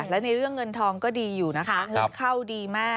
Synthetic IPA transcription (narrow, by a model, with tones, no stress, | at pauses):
lɛ˦˥wna˧jɾɯ˥˩əŋːɤ˧nt̪ʰɔː˧ŋkɔː˥˩diː˧juː˨˩na˦˥kʰa˦˥ŋɤ˧˦nkʰa˥˩wdiː˧maː˥˩